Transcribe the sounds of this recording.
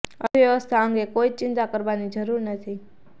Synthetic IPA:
əʋjəʋəst̪ʰaəŋɡekoid͡ʒt͡ʃɪnt̪akəɾʋanid͡ʒəɾuɾnət̪ʰi

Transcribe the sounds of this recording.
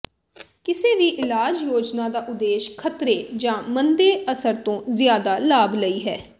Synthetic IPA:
kɪseːʋiːʔɪlaːd͡ʒjoːd͡ʒnaːd̪aːʔʊd̪eːʃkʰət̪ɾeːd͡ʒãːmənd̪eːəsəɾt̪õːzjaːd̪aːlaːbləiːɦɛː

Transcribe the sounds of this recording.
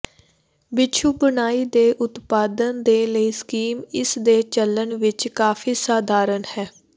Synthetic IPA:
bɪt͡ʃʰuːbənaːiːd̪eːʔʊt̪paːd̪ənd̪eːləiːskiːmɪsd̪eːt͡ʃəlːənʋɪt͡ʃkaːfiːsaːd̪ʱaːɾənhɛː

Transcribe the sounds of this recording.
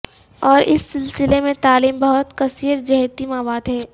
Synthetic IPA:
ɔːɾɪ̰sːɪlsɪlemẽt̪aːliːmbɐɦʊt̪kɐsiːɾd͡ʒɐɦt̪imaːwaːd̪ɦɛː

